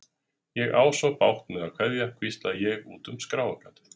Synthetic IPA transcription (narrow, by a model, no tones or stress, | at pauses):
jɛɣa̰ːwsɔpawht̪nʏawkʰv̥ɛðjakʰvist̪lajɛɣuːt̪ʏmskɾaːwakat̪ʏ̥ɾ̥